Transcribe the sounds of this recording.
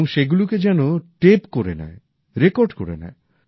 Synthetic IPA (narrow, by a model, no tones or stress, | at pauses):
ɔŋʃeɡuluked͡ʒɛnoʈepkoɾena̰e | ɾekoɾɖkoɾḛna̰e